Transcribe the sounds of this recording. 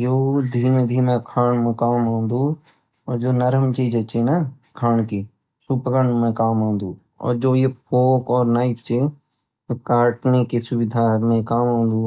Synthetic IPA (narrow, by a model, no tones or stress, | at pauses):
joːd̪ʱiːmẽd̪ʱiːmẽkʰaːnmẽkaːmãːnd̪uː | ɔːɾd͡ʒoːnəɾəmt͡ʃiːd͡ʒət͡ʃena | kʰaːɳkiː | supɡəɳmẽkaːmãːnd̪uː | ɔ̰ːɾd͡ʒoːjepʰoːkɔːɾnaːɪpt͡ʃe | kaːʈnekesʊbɪd̪ʱaːmẽkaːmãːnd̪uː